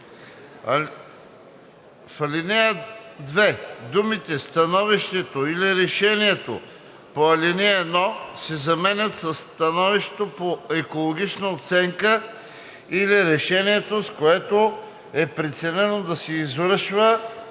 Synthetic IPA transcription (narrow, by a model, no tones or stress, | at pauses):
fɐlinɛəd̪vɛd̪umit̪ɛst̪ɐnɔviʃt̪ɛt̪oiliɾɛʃɛniɛt̪o̰ | poɐlinɛɛd̪nɔsɛzɐmɛnʲət̪sɐsːt̪ɐnɔviʃt̪t̪opoɛkolˠoɡ̟ʲit͡ʃnəot̪sɛŋkə | iliɾɛʃɛniɛt̪oskoɛt̪o | ɛpɾɛt̪sɛnɛnod̪ɐsɛizvɾəɤʃvə